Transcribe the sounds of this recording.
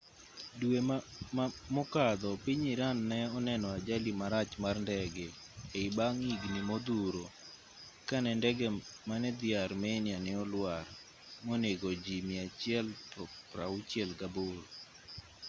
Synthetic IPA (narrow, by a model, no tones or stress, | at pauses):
dwe | mɔkad̪ɔpiɲiɾanːɛɔnɛnɔad͡ʒalimaɾat͡ʃmarndɛɡɛː | ibaŋiɡnimod̪uɾo | kanɛndɛɡɛmanɛd̪ɪaɾmɛnjanɛɔlwar | moneɡod͡ʒimiat͡ʃɪɛlɔpɾaut͡ʃjɛlɡabʊl